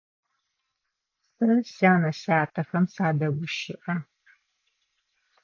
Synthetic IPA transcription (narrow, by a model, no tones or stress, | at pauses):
sɐrɕaːnɐɕaːtʰɐxɐmsaːdɐɡʷʊʃɪʔɐ